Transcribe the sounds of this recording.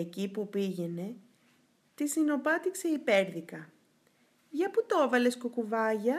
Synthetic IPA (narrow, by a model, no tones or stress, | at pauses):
ecipupiʝe̞ne̞ | t̪isino̞pɐt̪ikse̞ipe̞ɾðikɐ | ʝɐput̪ovɐle̞skokuvɐʝɐ